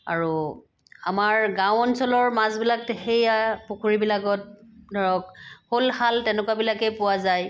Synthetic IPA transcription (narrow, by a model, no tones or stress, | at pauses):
a̰ɹu | amaɹɡãwɔnsɔlɔɹmazbilak̚xejapʊkʰuɹibilakɔt̚dʱɔɹɔk̚holhaltɛnʊkwabilakɛpʊwazaj